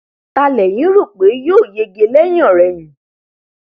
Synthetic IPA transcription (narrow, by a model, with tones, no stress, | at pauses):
ta˧lɛ˨j̃ĩ˨˦ɾu˦˨k͡pe˨˦jo˦˨je˧ɡe˧lɛ˦j̃ɔ̃˦˨ɾɛ˨jĩ˨˦